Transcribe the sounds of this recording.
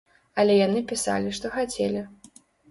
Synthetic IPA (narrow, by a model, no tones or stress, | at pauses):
ɐlʲɛjanɨpʲisa̰lʲiʂt̪ɔxat͡sʲɛlʲi